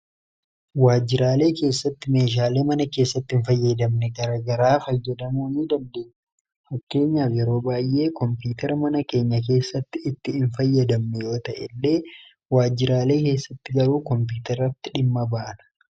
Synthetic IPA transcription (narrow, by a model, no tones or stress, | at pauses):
waːd͡ʒːɪɾaːle̞ːke̞ːsːɐt̪ːɪme̞ːʃ̬aːle̞ːmɐnɐke̞ːsːɐt̪ːɪɪɱfɐjːɛd̪ɐmnɛɡɐɾaːɡɐɾaːfɐjːɐd̪ɐmuːniːd̪ɐnd̪eːɲːʊ̥ | fɐkːe̞ːɲːaːfjɛɾo̞ːbaːjʔe̞ːkɔmpjuːt̪ɛɾmɐnɐke̞ːɲːɐk̬e̞ːsːɐt̪ːɪːt̪ːɪːɱfɐjːɐd̪ɐmnɛjo̞ːt̪ɐʔɛlːe̞ː | waːd͡ʒːɪɾaːle̞ːke̞ːsːɐt̪ːɪɡɐɾuːkɔmpuːt̪ɐrːɐt̪ːɪᶑɪmːɐbɐʔɐnɐ̥